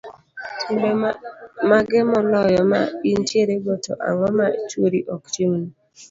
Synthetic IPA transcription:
tʰubemaɡɪmɔlɔjɔma̰int͡ʃjeɾeboto̰ʔa̰wɔmat͡ʃwoɾiʔɔkt͡ʃimni

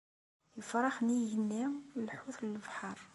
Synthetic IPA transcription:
jəfɾˤɑxnihənːæmwlħuθləlbħɑɾˤ

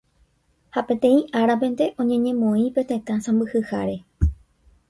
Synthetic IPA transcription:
hapẽ̞t̪ẽ̞ĩʔaɾapẽ̞nd̪e̞ʔõ̞ɲẽ̞ɲẽ̞mõĩpe̞t̪ẽ̞t̪ãsãmbɨhɨhaɾe̞

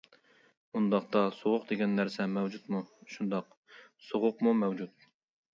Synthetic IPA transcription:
und̪ɑqt̪ɑsoʁʊqd̪eɡʲɛnːæɾsɛmɛwd͡ʒut̪muʃund̪ɑq | soʁʊqmumɛwd͡ʒut̪̚

